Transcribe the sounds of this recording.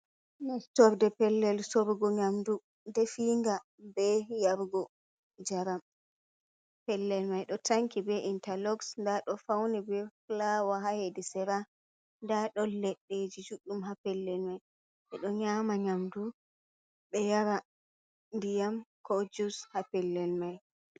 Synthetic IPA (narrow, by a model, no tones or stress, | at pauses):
nastɔɾdɛpɛlːɛlsɔɾɡɔɲamdu | dɛfiːŋɡa | bɛjaɾɡɔ | d͡ʒaɾam | pɛlːɛlmajɗɔtaŋkibɛʔintalɔɡsndaɗɔfawnibɛflawaɦahedisɛɾa | ndaɗɔlɛɗːed͡ʒid͡ʒuɗːumɦapɛlːɛlmaj | ʔɛɗɔɲaːmaɲamdu | ɓɛjaɾa | ndijamkɔd͡ʒushapɛlːɛlmaj